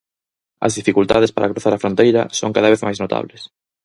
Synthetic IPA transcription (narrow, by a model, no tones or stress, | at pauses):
ɐ̰zðifikult̪aðespaɾʔakɾuθaɾɐfɾont̪ejɾɐ̰so̰ŋkaðɐβ̞eθmajznot̪a̰βles